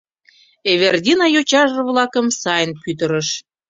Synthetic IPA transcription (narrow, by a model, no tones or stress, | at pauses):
eβerd̪ʲinɑjot͡ɕɑʒβlɑkəmsɑjənpyt̪̬əɾəʃ